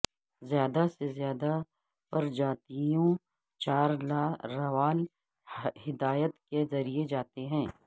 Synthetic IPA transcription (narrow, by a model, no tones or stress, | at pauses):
zjaːd̪asezjaːd̪a | pɐɾd͡ʒaːt̪ijõ | t͡ʃaːɾlaːɾɐʋaːl | hɪd̪aːjət̪kezɐɾied͡ʒaːt̪eɦɛ̃ː